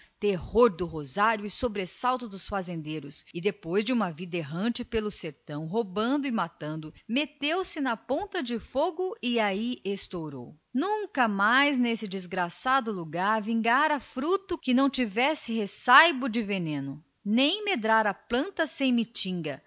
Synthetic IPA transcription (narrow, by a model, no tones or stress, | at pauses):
t̪ehoɾd̪ʊɦozaɾjʊɪsobɾesawt̪ʊd̪ʊsfazẽnd̪eɾʊsɪd̪epojzd͡ʒɪũmɐvid̪ɐeɦɐ̃nt͡ʃɪpelʊseɾt̪ɐ̃w̃ɦobɐ̃nd̪ʊɪmat̪ɐ̃nd̪ʊmet̪ewsɪnɐpõnt̪ɐd͡ʒɪfoɡʊɪaiʔest̪owɾo̰w | nũkɐmajznesɪd͡ʒɪzɡɾasad̪ʊluɡaɾvĩŋɡaɾɐfɾut̪ʊkɪnɐ̃w̃t͡ʃivɛsɪɦesajbʊd͡ʒɪvenẽnʊ | nẽj̃med̪ɾaɾɐplɐ̃nt̪ɐsẽj̃mit͡ʃĩɡɐ